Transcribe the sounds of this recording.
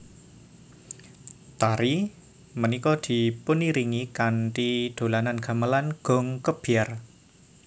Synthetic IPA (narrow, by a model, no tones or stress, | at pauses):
t̪aɾi | mənikɔd̪̥i̤puniɾiŋikanʈid̪̥o̤lananɡ̥a̤məlanɡ̥ɔ̤ŋkəb̥iar